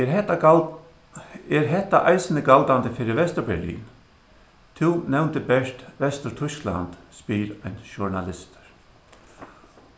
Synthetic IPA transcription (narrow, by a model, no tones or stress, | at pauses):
ɛɛt̪ | ɛɾɦɛht̪ːaʔajsɪnəɡalt̪and̪əfɪːɾɪʋɛst̪əɾbɛ̰lḭːn | t̪ʰɪwnɛwnt̪əbɛʂt̪ʋɛst̪əɾt̪ʰʊskla̰nt̪spiːɾajnʃʊɹnalɪst̪ɾ̥